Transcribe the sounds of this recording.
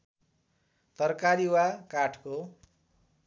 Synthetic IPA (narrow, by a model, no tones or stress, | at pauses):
t̪ʌrkaɾiwakaʈʰko